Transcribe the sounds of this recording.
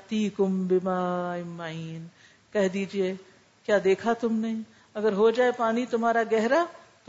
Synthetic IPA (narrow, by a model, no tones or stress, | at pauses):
t̪iːkʊmbɪmaːɪmːaiːn | kɛɦd̪iːd͡ʒie | kjaːd̪eːkʰat̪ʊmne | ɐɡəɾɦod͡ʒaːepaːnit̪ʊmaːɾaɡɛɦɾa | t̪